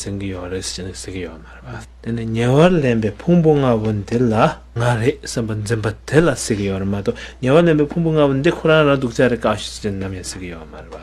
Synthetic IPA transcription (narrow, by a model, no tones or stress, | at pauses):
d͡zenɡijøʔreʔst͡ɕenesekijømareʔat̪eneɲewarlenpɛːpʰuŋpoŋawond̪ela | ŋareʔsampand͡zenpat̪elasekijøremat̪oʔɲewalenpɛːpʰuŋpoŋawond̪ikʰoɹaŋraŋt̪uʔ̚t͡sʰaɾeʔkaɕst͡ɕenamjasekijøʔmareʔa